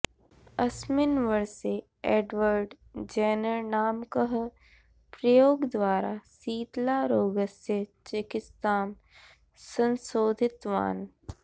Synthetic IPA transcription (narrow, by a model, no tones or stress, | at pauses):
ɐsmɪnʋəɾse | eːɖʋəɾɖd͡ʒɛːnəɾnaːmkəɦ | pɾɐjoːɡd̪ʋaːɾasiːt̪laɾoːɡəset͡ʃekɪst̪aːm | sə̃nsoːd̪ʱɪt̪ʋa̰ːn